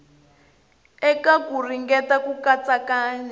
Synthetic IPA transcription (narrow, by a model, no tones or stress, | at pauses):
ɛkakuriŋɡɛtakukat͡sakaːɲɛ